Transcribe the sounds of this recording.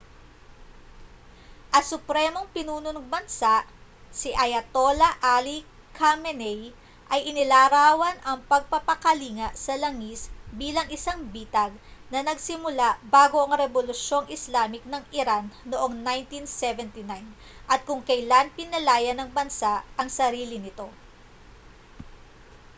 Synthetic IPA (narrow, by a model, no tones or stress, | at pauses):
ʔɐŋsʊpɾɛmo̞ŋpɪnuːnʊnɐŋbɐnsaʔ | sɪʔɐjɐt̪o̞lɐʔali | kʰamɛnɛj | ʔɐjʔɪnɪlaːɾaːwɐnʔɐŋpɐɡ̚pɐpɐkɐliːŋɐʔsɐlɐŋisbiːlɐŋɪsaŋbiːt̪ɐɡ̚nɐnɐɡsɪmʊlaʔbaːɡo̞ʔɐŋɾɛbolʊʃo̞ŋɪslaːmɪk̚nɐŋɪɾanːoʔo̞ŋnajnt̪insɛvɛnt̪inajn | ʔɐt̪̚kʊŋkɐjlanpɪnɐlaːjɐnɐŋbɐnsaʔɐŋsɐɾiːlɪnɪt̪o̞